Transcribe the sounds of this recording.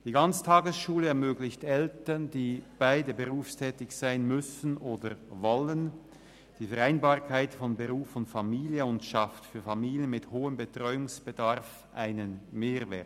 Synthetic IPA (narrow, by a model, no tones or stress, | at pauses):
d̥iːɡant͡sə̥tʰaːɡəsʃuːləɛɐmøːɡlɪçtɛltəndiːb̥aɪdəbəʁuːfstʰɛːtɪçz̥aɪənmʏsn̩ʔoːdəvɔlən | d̥iːfɛʁaɪnbaːʁkʰaɪtfɔnbəʁuːfɔnfamiːliəʊntʃaftfyːɐfamiːliənmɪthoːəmbətʁ̥ɔʏʊŋsb̥ədaʁf | ʔaɪnənmeːʁvɛ̰t